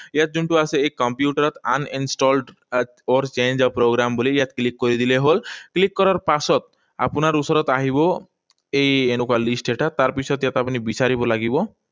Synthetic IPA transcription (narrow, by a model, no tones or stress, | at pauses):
eat̪̚d͡ʒuɳʈuaseekɔmpjuʈaɾɔt̪a̰ninsʈɔlɖ | ɔɾt͡ʃend͡ʒɔpɾoɡɾambolijat̪klikːoɾid̪ileɦolklikːɔɾaɾpasɔt̪̚ | a̰punaɾusɔɾɔt̪aɦibɔ | ejenukalisʈeʈat̪aɾpit͡ʃʰɔt̪jat̪apnibit͡ɕaɾibɔlaɡibɔ